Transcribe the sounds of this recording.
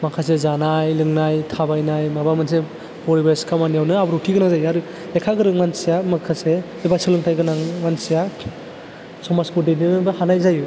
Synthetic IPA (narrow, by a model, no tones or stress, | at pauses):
makʰas̬ezanajlɯŋnajtʰabajnajmabamɯns̬e | b̥ɔɾibaskʰamanijawnɯabɯɾutʰiɡɯnazajaɾɯ | lekʰaɡɯɾɯŋansijamakʰase | ebasɯlɯŋtʰajɡɯnaŋansija | sɔmaskɔdeninɯbɯhanajzaju